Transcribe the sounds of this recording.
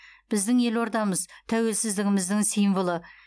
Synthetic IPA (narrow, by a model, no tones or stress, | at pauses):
b̥ɪzd̪ɪŋe̞lo̞ɾd̪ɑməzt̪ʰæwe̞lsɪzd̪ɪɡʲɪmɪzd̪ɪŋsijnvəlˠə